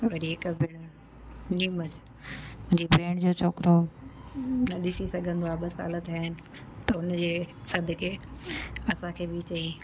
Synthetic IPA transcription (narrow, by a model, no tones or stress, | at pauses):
ʋɐɾiɦɪkəbʱɪɽ̃ | niːməd͡ʑ | ʊ̃d͡ʑibʱeːɽ̃d͡ʑoːt͡ɕʰoːkɾo | nɐɗɪsisɐɡʱə̃nd̪oaːɓɐsa̰ːlət̪aɦɪnɪ̆ | t̪ɐʊnd͡ʑeːsɐd̪ʱɪkʰeː | ɐsãkʰeːbɪt͡ɕɐĩ